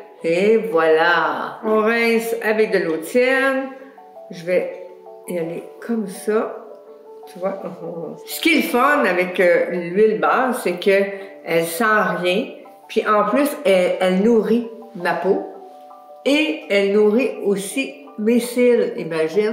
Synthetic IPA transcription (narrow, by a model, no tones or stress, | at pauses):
evwalaɔ̃ʁɛ̃savɛk̚d̪əlot͡sjɛn | ʒəvɛ | alekʰʌmsa | t̪yvwaʔɔ̃sə̥kʲilfɔnavɛkəlɥilbɑːsɛkə | ɛlsɑ̃ʁjɛ̃ | pɥiʔɑ̃plysɛɛlnuʁimapo | eɛlnuʁiosi | mesɪlḭmaʒɪn